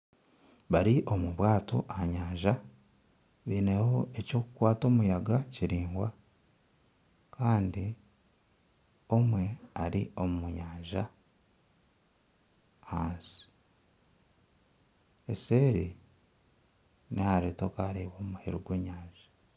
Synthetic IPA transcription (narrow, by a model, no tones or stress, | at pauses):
βaɾiʔomuβwaːto̞̰ʔaɲaːɲʒa | βiːnehoe̞co̞ːkukwaːto̞ːmujaɡaciɾiːŋɡwa | kʰaːndi | o̞mwe̞aɾio̞mumuɲaːɲʒa | aːnsi̥ | ese̞ːɾi | nehaɾeːto̞kaɾiβo̞ːmuhiɾoɡweːɲaːɲʒ̥ḁ